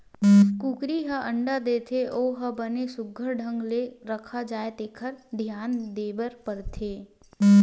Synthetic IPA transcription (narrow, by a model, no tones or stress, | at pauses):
kuːkɾiɦəʔə̃ɳɖad̪eːt̪ʰeʔoːɦəbənesʊɡʱəɾɖʱə̃ŋɡleɾəkʰad͡ʒaːet̪eːkʰəɾd̪ʱjaːnd̪eːbəɾpəɾt̪ʰeː